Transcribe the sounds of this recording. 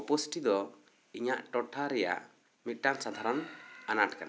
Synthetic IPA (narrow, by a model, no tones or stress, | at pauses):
posʈid̪ɔ | iɲaʔʈɔʈʰaɾɛja̰ʔ | miʈaŋsad̪ʱaɾɔnanaʈkana